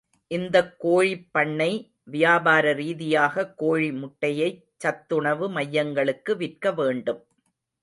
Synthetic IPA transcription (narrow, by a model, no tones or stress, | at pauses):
ʔɪnd̪ɐkːoːɻipːɐɳːɐɪ | ʋɪjaːbaːɾɐɾiːðɪjaːɣɐkːoːɻimʊʈːɐjɐɪt͡ʃːɐt̪ːɯɳɐʋɯmɐjːɐŋɡɐɭɯkːɯʋɪrkɐʋeːɳɖɯm